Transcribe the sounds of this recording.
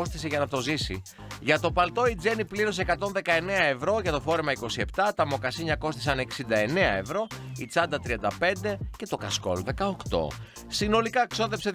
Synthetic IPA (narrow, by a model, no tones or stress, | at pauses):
ost̪iseʝɐnɐt̪o̞zisi | ʝɐt̪o̞pɐlt̪o̞id͡ze̞nipliɾo̞s̬ekɐt̪o̞nðe̞kɐe̞ne̞ɐe̞vɾo̞ʝɐt̪o̞fo̞ɾe̞mɐiko̞sie̞pt̪ɐt̪ɐmo̞kɐsiɲɐko̞st̪isɐne̞ksind̪ɐe̞ne̞ɐe̞vɾo̞it͡sɐnd̪ɐt̪ɾiɐnd̪ɐpe̞nd̪e̞ce̞t̪o̞kɐsko̰lðe̞kɐokt̪o̞̰ | sino̞likɐkso̞ðe̞pse